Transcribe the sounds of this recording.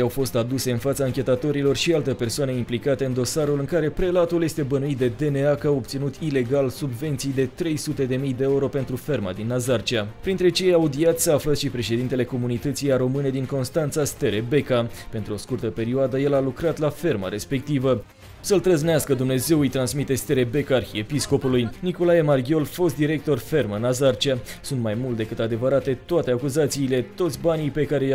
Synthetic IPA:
awfo̞st̪ad̪use̞ɨnfat̪saːŋkʲe̞t̪at̪o̞ɾilo̞rʃialt̪epe̞rsoanəimplikat̪e̞ɨnd̪osaɾulɨŋkaɾe̞pɾe̞lat̪ulje̞st̪e̞bənuit̪̚d̪e̞d̪e̞ne̞akəawop̚t̪sinut̪ʰile̞ɡalsubve̞nt̪sijd̪e̞t̪ɾe̞jsut̪e̞d̪e̞mijd̪eeuɾo̞pe̞nt̪ɾufe̞rma̰d̪inːazart͡ʃiapɾint̪ɾe̞t͡ʃe̞jejaud̪iat̪sʲsafləʃipɾe̞ʃe̞d̪int̪e̞le̞ko̞munit̪ət̪sijaɾo̞mɨne̞d̪iŋko̞nst̪ant̪sast̪e̞ɾebe̞kape̞nt̪ɾuo̞skurt̪əpe̞ɾioad̪əje̞lalukɾat̪lafe̞rma̰ɾe̞spe̞k̚t̪ivə | səlt̪ɾəzneaskəd̪umne̞ze̞wɨjt̪ɾansmit̪e̞st̪e̞ɾe̞be̞karxie̞pisko̞pulujniko̞lajemarɡʲjo̞lfo̞st̪d̪iɾe̞k̚t̪o̞rfe̞rmənazart͡ʃiasunt̪majmult̪̚d̪ekɨt̪ad̪e̞vəɾat̪e̞t̪oat̪e̞akuzat̪siːle̞t̪o̞t̪sʲbanijpe̞kaɾe̞

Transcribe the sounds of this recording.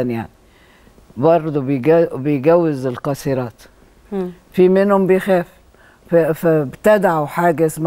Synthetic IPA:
ænja̰ʕni | bɑɾˤd̪ˤubejɡæbɪjɡæwːɪzɪlqɑsiɾɑːt̪ | fimɪnhʊmbɪjxæːf | fæbt̪æd̪ʕawħaːɡæʔsm

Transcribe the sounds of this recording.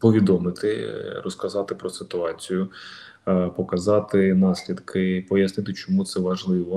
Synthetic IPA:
pɔʋʲid̪ɔmɪt̪ɪrɔskɐzɑt̪ɪpɾɔsɪt̪ʊɑt͡sʲijʊ | pɔkɐzɑt̪ɪnɑsʲlʲid̪kʰɪpɔjɐsnɪt̪ɪt͡ʃɔmut̪sɛʋɐʒlˠɪʋɔ

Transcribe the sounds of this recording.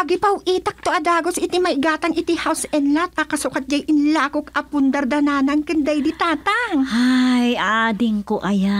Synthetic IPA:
ʔɐɡɪpɐwʔiːt̪ɐk̚t̪oʔɐd̪aːɡosɪt̪imɐjɡaːt̪ɐŋʔɪt̪ihawsɛnlat̪̚ʔɐkɐsukɐt̪̚d͡ʒajʔɪnlaːkokɐpʊnd̪ɐɾd̪ɐnaːnɐŋkɨnd̪ajd̪it̪aːt̪ɐŋhajaʔaːd̪ɪŋkoʔaja

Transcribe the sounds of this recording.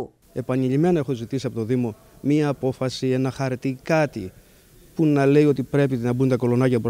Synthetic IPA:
e̞pɐniʎime̞nɐe̞xo̞zit̪isiɐpo̞t̪oðimo̞ | miɐːpo̞fɐsie̞nɐxɐɾt̪ikɐt̪i | punɐle̞ijo̞t̪ipɾe̞p̬inɐbunt̪ɐko̞lo̞nɐcɐp

